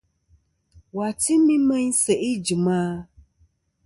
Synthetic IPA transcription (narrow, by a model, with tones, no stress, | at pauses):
wa˨tʰi˦mĩ˦mə̃˦n˦sɛ˨e˦d͡ʒi˨mã˦